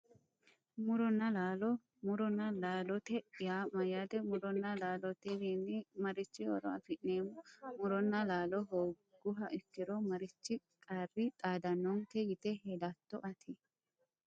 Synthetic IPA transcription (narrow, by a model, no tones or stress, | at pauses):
mʊɾɔnːɐlaːlɔ | mʊɾɔnːɐlaːlɔt̪ɛjaːmɐjaːd̪ɛmʊɾɔnːɐlaːlɔt̪ɛd̪iːnːɪmɐɾɪt͡ʃːɪɔ̰ɾɔ̰ɐ̰fɪʔneːmːʊmʊɾɔnːɐlaːlɔɦoː | ɡʊɦɐʔɪkːɪɾɔmɐɾɪt͡ʃːɪ | kʼarːɪt̪ʼaːd̪ɐnːɔŋkɛjɪt̪ɛɦelat̪ːɔʔɐt̪ʰɪ